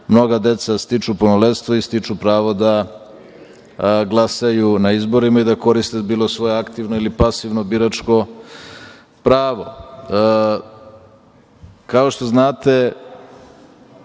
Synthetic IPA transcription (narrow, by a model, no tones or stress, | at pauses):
mno̞ɡad̪e̞t̪sast̪it͡ʂuponolest̪ʋoist̪it͡ʂupɾaːʋo̞d̪a | ɡlˠasajunaizbo̞ɾimaid̪ako̞ɾist̪ebiːlˠosʋo̞jeakt̪iʋnoilipasiʋnobiɾat͡ʂko̞ | pɾaːʋo | kao̞ʃt̪o̞znaːt̪e̞